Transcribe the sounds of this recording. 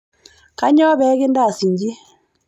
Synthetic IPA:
ka˦ɲɔ˦βɛ˨˦ɣe˦nda˦˨si˨ɲd͡ʒi˦

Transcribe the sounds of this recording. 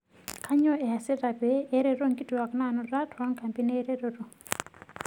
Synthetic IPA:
kʰa˦ɲo˦e˨a˨se˦ɾa˨be˨˦e˦ɾe˦ɾo˦ŋɡi˦tu˨wa˨kna˦˨no˨ɾa˦ta˦ŋka˨mpi˦ne˦ɾe˦ɾo˨ɾo˨

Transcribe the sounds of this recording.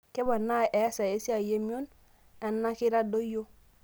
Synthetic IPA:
ke˦ba˨nːa˦˨ʔe˨˦sa˨e˦si˦a˨je˦mi˦o˦n | a˨nːa˦ki˦ɾa˦do˦jo˦

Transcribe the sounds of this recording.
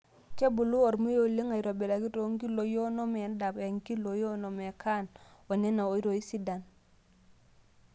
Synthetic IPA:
ke˦bu˨lu˦o˨ɾmu˦jo˦˨li˦ŋa˨i˨ɾo˨be˨la˨ki˦to˦ŋɡi˦lo˨jo˦no˦me˨n˦da˨be˨ŋki˦lo˨jo˦no˨me˨kʰa˦˨no˨ne˦na˨˦i˦ɾo˨i˦si˦da˨n

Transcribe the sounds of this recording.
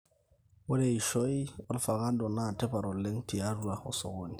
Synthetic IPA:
wo˦de˨i˨ʃo˦jo˦lfa˨ɣa˦ndo˨na˦˨te˦pa˨ɾo˨le˦ŋti˨a˦ɾu˦a˨o̰˨so̰˨ɡo˦ni˨

